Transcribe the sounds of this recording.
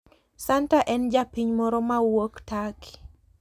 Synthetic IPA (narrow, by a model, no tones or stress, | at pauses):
santaʔɛnd͡ʒapiɲmɔɾɔmawoktaki̥